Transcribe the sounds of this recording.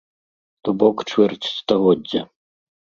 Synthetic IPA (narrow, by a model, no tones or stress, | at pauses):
t̪ɔbɔkt͡ʂvɛrʲst̪ɐɣɔdʲːɐ